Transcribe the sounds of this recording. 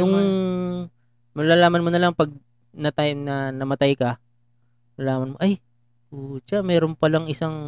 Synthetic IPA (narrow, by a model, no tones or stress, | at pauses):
jʊŋ | mɐlaːlaːmɐnmonɐlaŋpɐɡ̚ | nɐt̪ajnɐnɐmɐt̪ajkɐ | mɐlaːmɐnmoʔaj | ʔot͡ʃamɛːɾonpɐlɐŋɪsaŋ